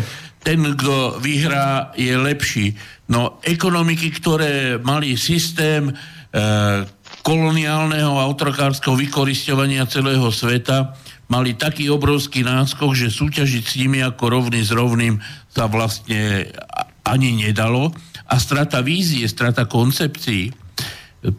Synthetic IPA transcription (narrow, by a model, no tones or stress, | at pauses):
t̪ɛnɡd̪ɔʋiɦɾaːjɛlɛpʃiːnɔʔɛkɔnɔmikikt̪ɔɾɛːmalisist̪ɛːm | kɔlɔniaːlnɛɦɔaʊt̪ɔɾɔkaːɾskɛɦɔʋikɔɾiscɔʋaɲɪat͡sɛlɛːɦɔsʋɛt̪amalit̪akiːɔbɾɔʊskiːnaːskɔɣʒɛsuːcaʒicsɲimiakɔɾɔʊnizɾɔʊniːmsaʋlast̪ɲɛ | ʔaɲiɲɛd̪alɔʔast̪ɾat̪aʋiːziɛst̪ɾat̪akɔnt͡sɛpt͡siː